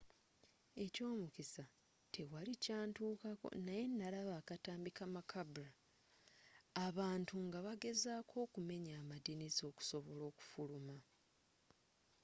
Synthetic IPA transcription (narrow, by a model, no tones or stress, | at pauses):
e̞co̞ːmukisa | tʰe̞walicaːntuːkako̰naje̞nːalaβaːkataːmbikamakʰabuɾa | βaːntuŋɡaβaɡe̞zaːkʰo̞ːkume̞ɲaːmadinizo̞ku̥so̞βo̞lo̞ːku̥fuluma